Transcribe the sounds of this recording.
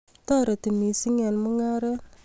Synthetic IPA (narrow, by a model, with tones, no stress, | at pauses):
ta˦ɾə˨ti˨ni˨si˦ŋe˨nmu˦ŋa˦ɾə˦